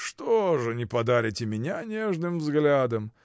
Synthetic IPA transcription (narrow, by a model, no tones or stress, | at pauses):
ʂt̪oʐɨnʲɪpɐd̪aɾʲɪtʲɪmʲɪnʲanʲeʐnɨmvzɡlʲad̪əm